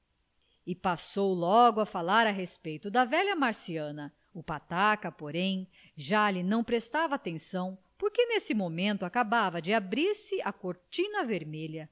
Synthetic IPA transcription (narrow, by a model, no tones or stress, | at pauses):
ɪpasowlɔɡʊɐfalaɾɐɦespejt̪ʊd̪ɐvɛʎɐmaɾsiɐ̃nɐ | ʊpat̪akɐpoɾẽj̃ | ʒalɪnɐ̃w̃pɾest̪avɐaːt̪ẽsɐ̃w̃ | poɾkenesɪmomẽnt̪ʊakabavɐd͡ʒɪabɾiɾsɪʔakoɾt͡ʃĩnɐveɾmeʎɐ